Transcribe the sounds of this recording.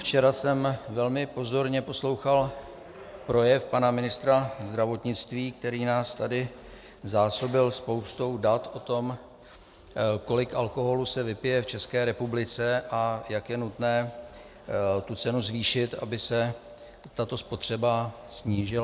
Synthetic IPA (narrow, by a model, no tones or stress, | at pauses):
ft͡ʃɛɾasɛmvɛlmɪpo̞zo̞ɾɲɛpo̞slo̞wxal | pɾo̞jɛfpanamɪnɪst̪ɾazd̪ɾavo̞t̪ɲɪt͡st̪viːkt̪ɛɾiːnaːst̪adɪ | zaːso̞bɪlspo̞wst̪o̞wdat̪ʔo̞t̪o̞m | ko̞lɪkalko̞ɦo̞lusɛvɪpɪjɛft͡ʃɛskɛːɾɛpublɪt͡sɛʔajakjɛnut̪nɛː | t̪ut͡sɛnuzviːʃɪt̪a̰bɪsɛ | t̪at̪o̞spo̞t̪r̝̥ɛbasɲiːʒɪla